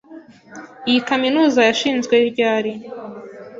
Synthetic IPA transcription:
ijikaminuːzajaʃiːnzɡwe̞iɾɟaːɾi

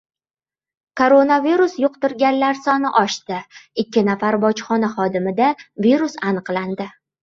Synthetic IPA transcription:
kʰoɾonaviɾusjʊqt̪ɪɾɡʲanlaɾsɒnɪʔɒʃt̪ɪɪkʲːɪnafaɾbɒt͡ʃχɒnaχɒd̪ɪmɪd̪aviɾusanɨqland̪ɪ

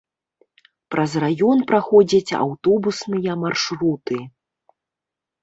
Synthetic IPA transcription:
pɾʔɐzrajɔnpɾaxɔd͡zʲɐt͡sʲa̰wt̪ɔbusnɨjɐmarʂɾut̪ɨ

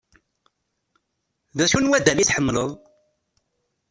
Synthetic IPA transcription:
ðæʃunwæd̪æliθħəmːləðˤ

